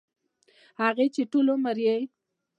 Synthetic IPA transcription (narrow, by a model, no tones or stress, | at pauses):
haɣet͡ʃeʈulomaɾjej